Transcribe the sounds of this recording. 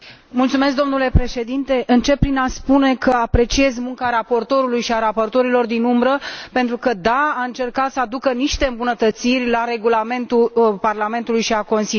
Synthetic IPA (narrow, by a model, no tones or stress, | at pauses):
mult̪sumesk̚d̪o̞mnule̞pɾe̞ʃe̞d̪int̪e̞ʔɨnt͡ʃe̞p̚pːɾinaspune̞kəapɾe̞t͡ʃie̞zmuŋkaɾapo̞rt̪o̞ɾulujʃiaɾapo̞rt̪o̞ɾilo̞rd̪inumbɾəpe̞nt̪ɾukəd̪aaɨnt͡ʃe̞rkat̪səad̪ukəniʃt̪e̞ɨmbunət̪ət̪sirʲlaɾe̞ɡulame̞nt̪ulparlame̞nt̪ulujʃiako̞nsil